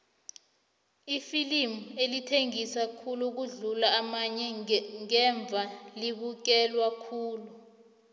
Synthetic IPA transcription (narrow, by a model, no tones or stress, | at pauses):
ifilimuelitʰeŋisakʰuluk̬uɮulaːmaɲɛŋɛɱb̪vʱaliɓuk̬ɛlwakʰuːlu